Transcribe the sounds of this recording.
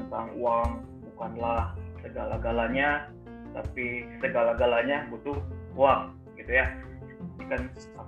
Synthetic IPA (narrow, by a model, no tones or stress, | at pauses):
nt̪aŋuaŋ | bukanlahsəɡalaɡalaɲa | t̪a̰pisəɡalaɡalaɲabut̪ʊuaŋ | ɡit̪uja | nikan | a